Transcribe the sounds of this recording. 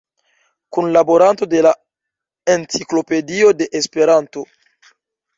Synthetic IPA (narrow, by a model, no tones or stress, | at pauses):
kunlaboɾant̪od̪ela | ent͡sikloped̪iod̪eʔespeɾant̪o